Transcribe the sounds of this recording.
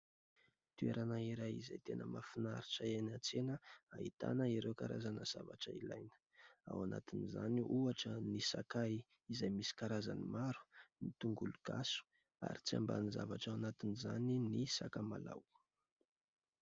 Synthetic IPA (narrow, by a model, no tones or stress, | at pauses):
t̪ueɾanaiɾajiza̰jt̪enəmafinaɾiʈ͡ʂəenat͡senəait̪a̰nəiɾewkaɾazanəz̥a̰vaʈ͡ʂəila̰jnə̥ | a̰wanat̪inizaniʔuaʈ͡ʂənisa̰kaj | izajmisi̥kaɾaza̰nimaɾu̥nit̪uŋɡuluɡ̥asu̥ | a̰ɾit͡sia̰mba̰niza̰vaʈ͡ʂawanat̪iniza̰ninisakama̰la̰w